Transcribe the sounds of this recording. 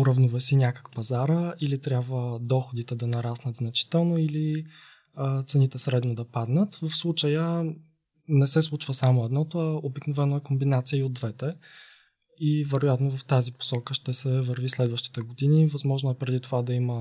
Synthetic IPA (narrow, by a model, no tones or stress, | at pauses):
ʊɾɐvnuvɛsinʲjakə̥kpɐzaɾəilit̪ɾʲjabvəd̪ɔxod̪it̪ɛd̪ɐnɐɾasnət̪znɐt͡ʃi̥t̪ɛlˠnoili | t̪sɛnit̪ɛsɾɛd̪nod̪ɐpad̪nət̪vɐfslˠut͡ʃəjə | nɛsɛslˠut͡ʃvəsamoɛd̪nɔt̪oaobiknovɛnoɛkombinat̪sijəiod̪ːvɛt̪ɛ | ivɛɾojat̪novɐft̪azipo̥sɔkəʃt̪ɛsɛvəɾvislɛd̪vəʃt̪i̥t̪ɛɡod̪inivɐzmɔʒnoɛpɾɛd̪it̪ovad̪ɐimə